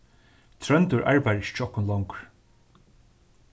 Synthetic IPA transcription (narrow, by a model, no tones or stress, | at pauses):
t̪ʰɾœnt̪ʊɹʔa̰ɹpæjɹɪʃt͡ʃːɔhkːʊnlɔwŋkɹ̥